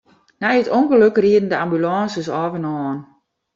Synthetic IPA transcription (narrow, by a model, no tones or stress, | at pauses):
nɛjətonɡəløkriən̩dəambylɑːnsəsɔːvənɔːn